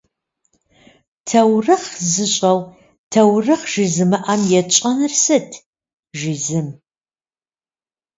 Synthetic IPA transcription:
tʰɐwrɨχzɨɕʼɐw | tʰɐwrɨχʒ̥iːzɨmɨʔɐmjɛt͡ʃʼɐnɨrsɨtʰ | ʒizɨm

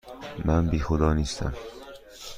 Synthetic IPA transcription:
mænbiːxod̪ɒːniːst̪ʰæ̰m

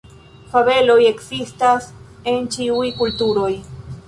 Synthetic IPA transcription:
faβe̞lo̞je̞ksistas | e̞nt͡ʃiujkultuɾo̞j

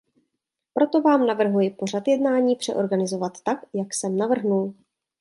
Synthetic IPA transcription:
pɾo̞t̪o̞vaːmnavr̩ɦujɪpo̞r̝at̪jɛdnaːɲiːpr̥ɛ̰ʔo̞ɾɡanɪzo̞vat̪ːakjaksɛmnavr̩ɦnul

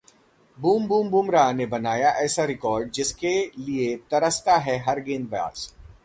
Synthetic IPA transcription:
buːmbuːmbuːmɾanebɐnaːjaʔɛːsaɾɪkɔːɾɖ̚d͡ʒɪskeliet̪ɐɾəst̪aɦɛɦɐɾɡẽːnbɐja̰ːs

